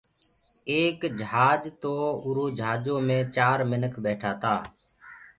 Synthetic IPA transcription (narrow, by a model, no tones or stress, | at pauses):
eːkd͡ʒəɦaːd͡ʒt̪oːʊɾoːd͡ʒʱaːd͡ʒõːmẽːt͡ʃaːɾmɪnəkʰbeːʈʰaːt̪aː